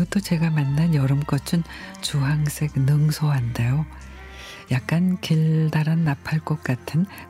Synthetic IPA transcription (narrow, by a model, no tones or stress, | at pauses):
ʌt͈ot͡ɕe̞ɡamanːanjʌɾɯmk͈ʌt͡ɕʰɯn | t͡ɕuɦaŋs͈ʰe̞knɯŋsʰoɦande̞jo | jak̚k͈ankiɭdaɾanːapʰaɭk͈ʌk̚k͈atʰɯn